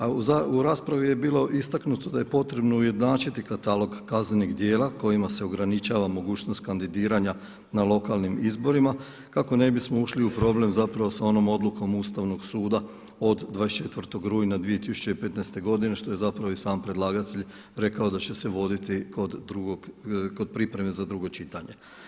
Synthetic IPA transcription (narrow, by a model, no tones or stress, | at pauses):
auzauɾaːspɾaʋije̞biːlˠo̞ʔist̪aknut̪od̪aje̞po̞t̪ɾe̞bno̞uje̞d̪naːt͡ʃit̪ikat̪alo̞ɡkazneniɡd̪je̞ːlˠako̞jimase̞o̞ɡɾanit͡ʃaʋamo̞ɡuːt͡ʃnost̪̚kand̪id̪iːɾaɲa | nalˠo̞kalˠnimizbo̞ɾima | kako̞ne̞bismo̞uʃliupɾo̞ble̞mzapɾaʋo̞sao̞no̞mo̞d̪luko̞must̪aʋno̞ɡsuːd̪a | o̞d̪d̪ːʋaest͡ʃe̞t̪ʋrɾt̪o̞ɡɾujnad̪ʋie̞t̪isu̥t͡ʃe̞ipe̞t̪nɛjst̪e̞ɡo̞d̪ine̞ʃt̪o̞je̞zapɾaʋoisaːmpɾe̞d̪lˠaːɡat̪eʎ | ɾe̞kaod̪at͡ɕe̞se̞ʋo̞d̪it̪ikod̪ɾuɡoɡko̞d̪̚pɾipɾeme̞zad̪ɾuɡo̞t͡ʃit̪aɲe̞